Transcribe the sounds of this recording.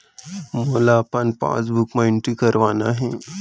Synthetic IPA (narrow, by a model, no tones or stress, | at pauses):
molaːpənpã̰t͡sbʱukməiɳʈikəɾʋanaɦe